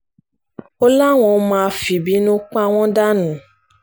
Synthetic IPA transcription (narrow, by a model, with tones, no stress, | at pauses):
ɔ˦la˦˨w̃ɔ̃˧˨˧mãː˧fi˨bi˦nũ˦k͡pw̃ɔ̃˦da˦nũ˨